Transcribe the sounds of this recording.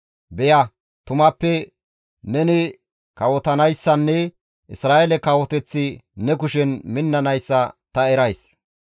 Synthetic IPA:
bɛjɐ | t̪ʊmɐpːɛ | nɛnɪ | kɐwɔt̪ɐnɐjsːɐnːɛ | ʔɪsɾaːʔɛlɛkɐwɔt̪ɛt͡sːɪnɛkʊʃɛnmɪnːɐnɐjsːɐt̪ɐɛɾɐjs

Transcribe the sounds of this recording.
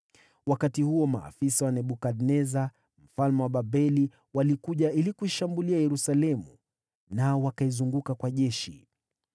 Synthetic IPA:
wakatihuɔma̰ːfisawanɛɓukadnɛza | m̩falmɛwaɓabɛli | walikuʄailikuiʃambuliajɛɾusalɛmṵ | naɔwakaizuŋɡukakwaʄɛʃḭ

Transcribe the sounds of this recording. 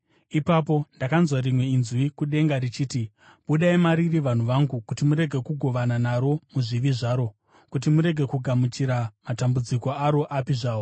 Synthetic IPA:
ipap̬o̞ndakanzwaɾimwe̞inzwikuɗe̞ŋɡarit͡ʃiːti | ɓuɗaimaɾiriʋan̤uʋaŋɡukutimuɾe̞ɡʱe̞kuɡʱo̞ʋananaɾo̞muʐiʋiʐaːɾo̞ | kut̬imuɾe̞ɡʱe̞kuɡʱamut͡ʃiɾamatambud͡ziko̞aɾo̞ʔapiʐaːo

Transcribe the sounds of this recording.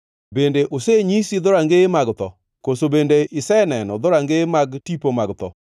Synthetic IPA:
bendeʔoseɲisid̪ɔɾaŋɡemaɡt̪ɔ̰ | kosobendeɪsɛnɛnɔ̰d̪ɔɾaŋɡemaɡtipomaɡt̪ɔ̰

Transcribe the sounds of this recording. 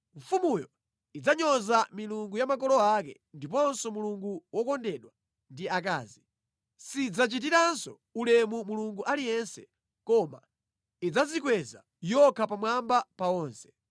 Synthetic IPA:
ɱfumujɔ | id͡zaɲɔzamiluŋɡujamakɔlɔakɛ̰ | ndipɔnsɔmuluŋɡuwɔkɔndɛɗwa | ndiak̬aːzi | sid͡zat͡ʃit̬iɾansɔ | ulɛmumuluŋɡuʔalijɛnsɛ | kɔma̰ | id͡zazikwɛza̰ | jɔkʰapamwambapawɔːnsɛ̥

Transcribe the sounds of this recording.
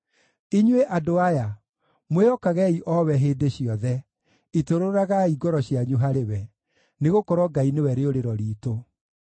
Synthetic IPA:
iɲweʔadoaja | mweɔkaɣɛiʔɔwɛɦeːdeɕiɔðɛ | itoɾoɾaɣaiɡɔɾɔɕjaɲuɦaɾewɛ | neɣokɔɾwɔɡainewɛɾeoɾeɾɔɾiːto

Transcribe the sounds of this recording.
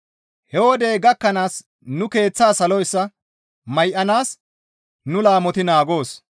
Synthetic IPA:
hɛwɔd̪e̞ːɡɐkːɐnaːs | nʊke̞ːt͡sːaːsɐlɔɪsːɐ | mɐjʔɐnaːs | nʊlaːmɔt̪ɪnaːɡo̞ːs

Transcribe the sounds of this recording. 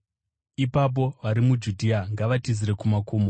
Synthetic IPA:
ipap̬o̞ʋaɾimud͡ʒudʱiaŋɡaʋatiziɾe̞kumakoːmo

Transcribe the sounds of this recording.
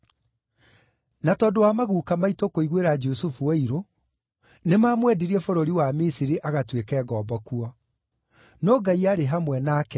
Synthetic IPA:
natɔːdowamaɣuːkamaitokoiɣweɾad͡ʒusufueiɾo | nemaːmwɛdiɾiɛfoɾoɾiwamisiɾiʔaɣatwekɛːɣɔːbɔkuɔ | nɔːɡaiaɾeɦamwɛnaːkɛ

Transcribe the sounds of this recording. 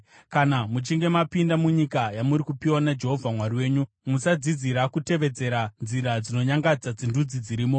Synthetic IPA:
kanamut͡ʃiŋɡe̞mapindamuɲikajamuɾikupiwanad͡ʒe̞ɦo̞vʱamwaɾiwe̞ːɲu | musad͡zid͡ziɾakute̞ʋe̞d͡ze̞ɾanziɾad͡zino̞ɲaŋɡad͡zad͡zindud͡zid͡ziɾiːmo̞

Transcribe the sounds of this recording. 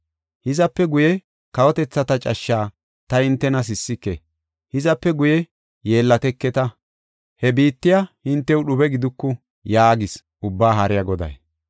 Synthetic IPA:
hɪzɐpːɛɡʊjɛ | kɐwɔt̪ɛt͡sːɐt̪ɐt͡ʃʼɐʃːaː | t̪ɐhɪnt̪ːɛnɐs̬ɪsːɪkːɛ | hɪzɐpːɛɡʊjɛ | je̞ːlːɐt̪ɛkːɛt̪ɐ | hɛbiːt̪ːɪjahɪnt̪ːɛwɗʊbɛɡɪd̪ʊkːʊ | jaːɡɪs | ʊbːaːɦɐɾɪjɐɡɔd̪ɐ̰j

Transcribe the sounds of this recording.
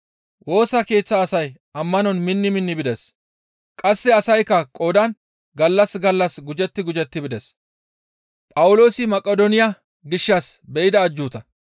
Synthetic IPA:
wʔo̞ːsɐke̞ːt͡sːɐːsɐj | ɐmːɐnɔnmɪnːɪmɪnːɪbɪd̪ɛs | kʼɐsːɛɐsɐjkːɐkʼoːd̪ɐn | ɡɐlːɐsɡɐlːɐsɡʊd͡ʒɛt̪ːɪɡʊd͡ʒɛt̪ːɪbɪd̪ɛs | pʼɐwʊlo̞ːsɪmɐkʼːɔd̪ɔnɪja | ɡɪʃːɐsbɛʔɪd̪ɐːd͡ʒːuːt̪ɐ

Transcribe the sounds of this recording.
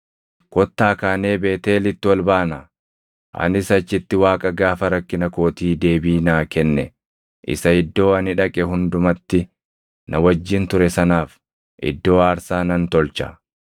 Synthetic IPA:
kɔt̪ːaːkaːne̞ːbe̞ːt̪e̞ːlɪt̪ːɪwɐlbaːnɐ | ʔɐ̰nɪsɐt͡ʃːɪt̪ːɪwaːkʼɐɡaːfɐɾɐkːɪnɐko̞ːt̪iːd̪e̞ːbiːnaːkɛnːɛ | ʔɪ̰sɐɪd̪ːo̞ːɐnɪᶑɐkʼɛɦʊnd̪ʊmɐt̪ːɪ | nɐwɐd͡ʒːɪnt̪ʊɾɛsɐnaːf | ʔɪ̰d̪ːo̞ːaːɾsaːnɐnt̪ɔlt͡ʃɐ̰

